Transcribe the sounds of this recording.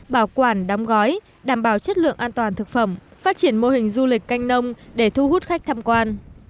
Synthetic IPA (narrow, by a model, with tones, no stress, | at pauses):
ɓaː˧˩wkwaː˧˩nɗa˨˦wŋ͡mɣɔ˨˦j | ɗaː˧˩mɓaː˧˩wt͡ɕə˦˥t̚lɨ̰˧˨əŋʔaː˧nt̪waː˨˩nt̪ʰɨ˨˩k̚fə˧˩mfaː˦˥t̚t͡ɕi˧˩ənmo˧hï˨˩ŋ̟zu˧lï˨˩k̟ːa˧jŋ̟nə˧wŋ͡mɗe˧˩t̪ʰu˧hu˦˥t̚xa˦˥jk̚t̪ʰaː˧mkwaː˧n